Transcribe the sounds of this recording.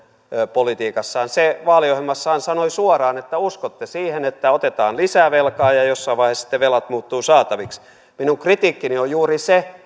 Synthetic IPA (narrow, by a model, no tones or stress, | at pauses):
øpolit̪iːkɑsːɑːnseʋɑːliohelmːɑsːɑːnsɑnoisuɑrɑːnet̪ːæuskot̪ːesiːhenet̪ːæot̪et̪ɑːnlisæʋelkɑːjɑjosːɑiʋɑihesi̥t̪ːeʋelɑt̪muːt̪ːuːsɑːt̪ɑʋiks | minuŋkrit̪iːkːiniojuːrise